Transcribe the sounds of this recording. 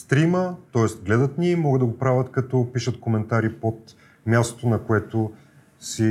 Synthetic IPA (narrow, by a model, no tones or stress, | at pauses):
st̪ɾimət̪ɔɛst̪ɡlɛd̪ət̪nimɔɡəd̪d̪əɡopɾavʲət̪kɐt̪ɔpiʃət̪komɛnt̪aɾipot̪ | mʲjast̪o̥t̪onɐkoɛt̪o | si